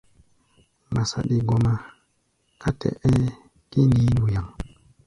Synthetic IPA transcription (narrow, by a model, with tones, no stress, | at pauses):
ma˨sa̰˨ɗi˨ɡo˨ma˦ | ka˦tʰɛ̰˨ʔe˦ | ki˦ni˦nu˨ja˨ŋ